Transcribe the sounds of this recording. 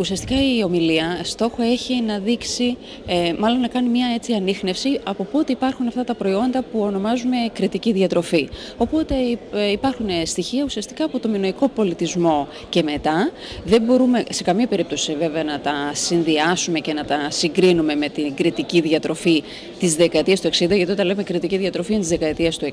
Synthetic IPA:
usiɐst̪i̥kɐio̞miliɐst̪o̞xo̞e̞çinɐðiksi | mɐlo̞nːɐkɐnimɲɐe̞t͡siɐnixne̞fsiɐpopt̪iipɐɾxunɐft̪ɐt̪ɐpɾo̞io̞nd̪ɐpuo̞no̞mɐzume̞kɾit̪iciðiɐt̪ɾo̞fi | o̞po̞t̪e̞ipɐɾxunest̪içiɐusiɐst̪i̥kɐːpot̪o̞mionoiko̞po̞lit̪izmo̞ | ce̞me̞t̪ɐ | ðe̞mbo̞ɾume̞se̞kɐmiɐpe̞ɾip̚t̪o̞siive̞veɐnɐt̪ɐsinðiɐsume̞ce̞nɐt̪ɐsiŋɡɾinume̞me̞t̪iɡɾit̪iciðiɐt̪ɾo̞fi | t̪izðe̞kɐet̪iɐst̪ue̞ksind̪ɐʝɐt̪iot̪ɐnleme̞kɾit̪iciðiɐt̪ɾo̞fiɐnt̪izðekɐet̪iɐst̪ue

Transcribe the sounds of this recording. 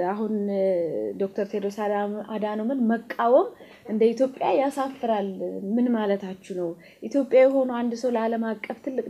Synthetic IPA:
aɦun | d̪o̞k̚t̪ʰəɾt̪ʰed̪osaad̪anomənməkʼːawom | ʔɨnd̪əit̪ʰjo̞pʼːjajasafːɨɾalmɨnmalət̪ʰat͡ʃːunəw | ʔit̪ʰjo̞pʼːjajɛɦo̞nuand̪səwləaləmakʼːəft̪ʰɨlːɨkʼ

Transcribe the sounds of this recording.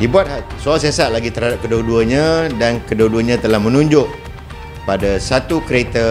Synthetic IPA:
dibuat̪̚hasualsesaʔ̚laɡit̪əɾhadap̚kəduduəɲãdankəduəduəɲãt̪əlahmə̃nũɲd͡ʒʊʔ | padasat̪ukɾet̪ə

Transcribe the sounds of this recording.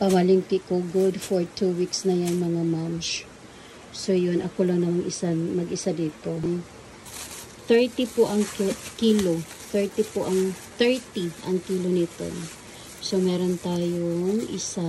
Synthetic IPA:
pɐmɐlɪŋkɪʔkoɡʊd̪foɹt̪uwiksnɐjaŋmɐŋamɐnt͡ʃ | so̞jonʔɐkolɐŋnɐmaŋʔɪsamɐɡʔɪsad̪iːt̪o̞ | θɛɹt̪ipoʔɐŋkkiːlo | t̪ɛɹt̪ipoʔɐŋt̪ɛɹt̪iʔɐŋkiːlonɪt̪o̰ | somɛːɾo̞nt̪aːjoŋɪsa

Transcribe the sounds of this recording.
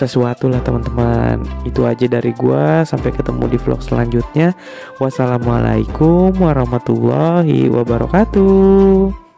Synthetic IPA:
səsuat̪ulaht̪əmant̪əmanit̪uad͡ʒadaɾiɡuasampajkət̪əmṵdiflɔ̰k̚səla̰ɲd͡ʒut̪̚ɲa | wasalama̰la̰jkʊmwaɾɔhmat̪ulːɔɦḭwʔabaɾɔ̰kat̪u

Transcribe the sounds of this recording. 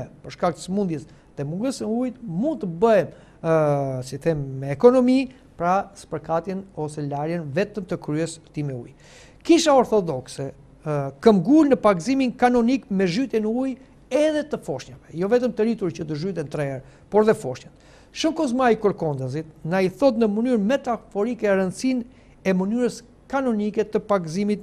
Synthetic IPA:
ɛpəɾʃkak̚t̪ə̥səmund̪jɛs | ðɛmuŋɡəsnəujt̪mund̪̚t̪əbəjɛm | sitθɛmːɛːkɔnɔmi | pɾasə̥pəɾkat̪jɛnɔsɛlaɾjɛnvɛt̪əmt̪əkɾyɛst̪imɛuj | kiʃaɔɾθɔd̪ɔksɛ | kəmɡulnəpaɡziminkanɔnikmɛʒyt̪jɛnəuj | ɛðɛt̪əfɔʃɲavɛjɔvɛt̪əmt̪əɾit̪uɾt͡ʃət̪əʒyt̪ɛnt̪ɾɛɛɾ | pɔɾɛðɛfɔʃɲat̪ | ʃəmkɔzmaikəɾkɔnd̪az̬it̪̚naiθɔt̪nəmənyɾmɛt̪afɔɾikɛɾənt͡sin | ɛmənyɾəs | kanɔnikɛt̪əpaɡzimit̪̚

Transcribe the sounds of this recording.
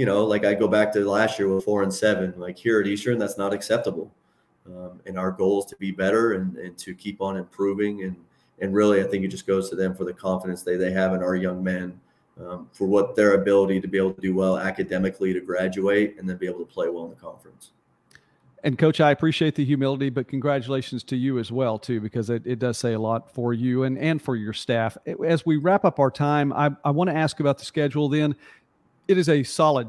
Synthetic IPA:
jɨñoʊlaɪkaɪɡoʊbæk̚tʰɨlæstjɪɹwəð̥fɔɹɨ̃nsɛvɨ̃nlaɪkhiɹɨɾistə̃˞nðætsnəɾɨksɛp̚təbl̩ˠ | mɨ̃naʊə˞ɡoʊlˠz̥tʰɨbibɛɾə˞ɨ̃nɨ̃ntʰɨkʰipn̩ɨ̃mpʰɹ̥ʉvɪ̃ŋɨ̃n | ʔɨ̃nɹɪlˠiaɪθɪ̃ŋkɨt̚d̥ʒʌsɡ̥oʊz̥tʰɨðɨ̃ɱfə˞ðɨkʰɑ̃ɱfəɾɨ̃nsðeɪðeɪɨvɨ̃naʊə˞jʌ̃ŋmɛ̃n | ʌ̃fə˞wʌt̪̚ðə˞ɨbɪlˠəɾiɾɨbieɪbl̩ˠtʰɨdɨwɛlˠæ̰kɨdɛmɨkʰliɾɨɡɹæd͡ʒʉeɪɾɨ̃nðɨ̃nbieɪbl̩ˠtʰə̥pʰl̥eɪwɛlˠə̃nðəkʰɑ̰̃ɱfɹɨ̃ns | ɨ̃nkʰoʊt͡ʃaɪɨpʰɹ̥iʃieɪt̪̚ðɨɦjʉmɪlˠəɾibʌt̚kʰn̩ɡɹæt͡ʃɨleɪʃn̩z̥tʰɨjɨɨzwɛlˠtʰʉbɨkʰʌzɨɾɪt̚d̥ʌz̥seɪəlɔtfə˞jʉɨ̃nɨ̃nfə˞jə˞stæfɨzwiɹæpʌpaʊə˞tʰãɪ̃ma̰ɪʔaɪwɑ̃ñɨæskɨbaʊt̪̚ðɨskɛd͡ʒl̩ˠðɨ̃n | ɨɾɨzɨsɑlˠəd̚

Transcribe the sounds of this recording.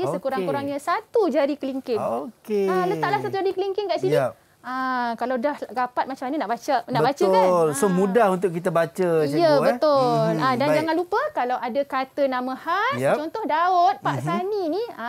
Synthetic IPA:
jəsəkuɾaŋkuɾaŋɲasat̪ud͡ʒaɾikəliŋkɪnokealət̪aʔlahsat̪ud͡ʒaɾikəliŋkɪnkaʔsiə | akalawdahɡapat̪̚mat͡ʃamaɲanaʔbat͡ʃanaʔbbatt͡ʃəklsomudahunt̪ʊʔkit̪abat͡ʃəsijəbət̪ʊladand͡ʒaŋanlupəkalawadakat̪ənamə̃halt͡ʃɔnt̪ɔhdaʊt̪̚paʔsaninia

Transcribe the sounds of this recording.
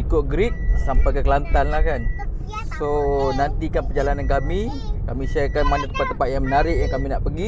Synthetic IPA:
ikʊt̪̚ɡɾik̚sampajkəkəlant̪anlahkan | sonant̪ikanpərd͡ʒalanankami | kamĩsakanmandat̪ə̥mpat̪ːəmpat̪̚jaŋmənaɾɪʔjaŋkaminaʔpəɡi

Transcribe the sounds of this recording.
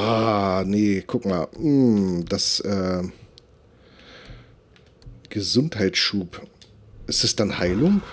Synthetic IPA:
aːnəkʰʊkma̰ːlm̩d̥asʔɛː | ɡ̥əzʊnthaɪtʃuːp | ʔɪstɛsd̥anhaɪlʊŋ

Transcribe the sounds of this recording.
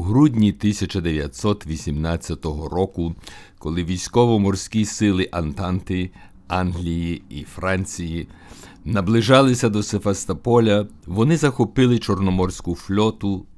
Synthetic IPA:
ɦɾudʲnʲit̪ɪsʲɐt͡ʃɐd̪eʋʲjɐt̪ʲsɔt̪ʋʲisʲimnɑt͡sʲːɐt̪ɔɦɔɾɔkʊ | kɔlˠɪʋʲijsʲkɔʋɔmɔrsʲkʲisɪlˠɪʔɐnt̪ɑnt̪ɪ | ɑnɦlʲijiifɾɑnʲt͡sʲiji | nɐblˠɪʒɑlˠɪsʲɐd̪ɔsefest̪ɐpɔlʲɐʋɔnɪzɐxɔpɪlˠɪt͡ʃɔrnɔmɔrsʲkʊflʲɔt̪ʊ

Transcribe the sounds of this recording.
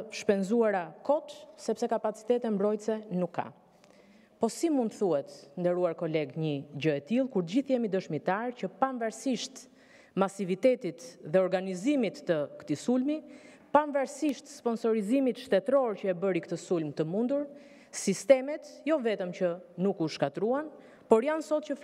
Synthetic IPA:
ʃpɛnzuaɾakɔt̪sɛpsɛkapat͡si̥t̪ɛt̪ɛmbɾɔjt̪sɛnukʰːa̰ | pɔsimund̪t̪θuhɛt̪nd̪ɛɾuaɾkɔlɛɡɲəd͡ʑəɛt̪ilˠkuɾt̪əɟiθjɛmid̪əʃmit̪aɾcəpanvaɾsiʃt̪ | masivit̪ɛt̪it̪ðɛɔɾɡanizimit̪ːəkt̪isulmi | panvaɾsiʃt̪spɔnsɔɾizimit̪ʃt̪ɛt̪ɾɔɾcəɛbəɾikt̪əsulmt̪əmund̪uɾ | sist̪ɛmɛt̪jɔvɛt̪əmt͡ɕənukuʃkat̪ɾuan | pɔɾjansɔt̪̚cə

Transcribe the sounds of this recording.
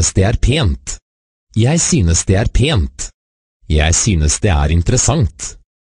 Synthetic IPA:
əsd̪eːæːɾpʰeːnt̪ | jæɪsyːnəsd̪eːæːɾpʰeːnt̪ | jæɪsyːnəsd̪ḛːæ̰ːɾɪnt̪əɾəsɑŋt̪

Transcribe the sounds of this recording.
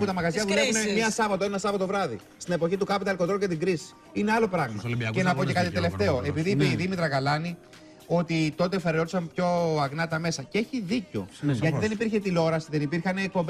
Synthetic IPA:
put̪ɐmɐɣɐzʝɐðule̞vunemiɐsɐvɐt̪o̞enɐsɐvɐt̪o̞vɾɐðḭ | st̪ine̞po̞çit̪ukɐpot̪ɐlkod̪ɾocɐt̪iɡɾisi̥ | ine̞ɐlo̞pɾɐɣmɐ̰ce̞nɐpo̞tce̞kɐt̪it̪e̞le̞ft̪e̞o̞ʔe̞piðiːpiðimit̪ɾɐɣɐlɐni | o̞t̪it̪o̞t̪̬efeɾeo̞i̥sɐmpço̞ɐɣnɐt̪ɐme̞sɐcee̞çiðico̞̰ʝɐt̪iiðenipiɾçet̪ilo̞ɾɐsiðe̞nipiɾçɐneːk̚po̞mb

